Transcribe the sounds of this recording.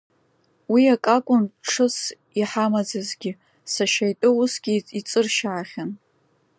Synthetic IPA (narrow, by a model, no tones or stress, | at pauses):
wiakʼakʷʼʊnʈ͡ʂʰɨs | iħamad͡zazɡʲɪ | saʃajtʼɨusɡʲiit͡sʼɨrʃaːχʲan